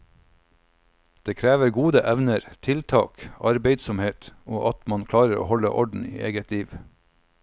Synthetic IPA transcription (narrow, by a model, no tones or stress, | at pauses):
d̪̥eːkʰɾæːʋəɾɡuːd̪əʔæʋnəɾt̪ʰɪlt̪ʰɑ̰ːkʔɑɾbeɪd̪sɔmheːt̪oːʔɑt̪mɑnkʰlɑːɾəɾo̰ːhɔlə̰ʔɔɖɳ̩ḭːʔeːɡət̪liːʋ